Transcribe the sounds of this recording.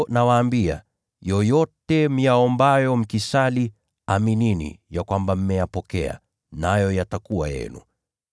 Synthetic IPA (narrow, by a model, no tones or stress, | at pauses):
nawaːmbia̰ | jɔjɔtɛm̩jaɔmbajɔm̩kisali | amininḭjakwambam̩mɛjapɔkɛa̰ | najɔjatakuwa̰jɛ̰nṵ